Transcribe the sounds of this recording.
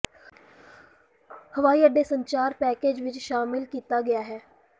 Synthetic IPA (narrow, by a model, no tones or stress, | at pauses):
həʋaːiːəɖːeːsəɲt͡ʃaːɾpɛːkeːd͡ʒʋɪt͡ʃʃaːmɪlkiːt̪aːɡɪjaːɦɛː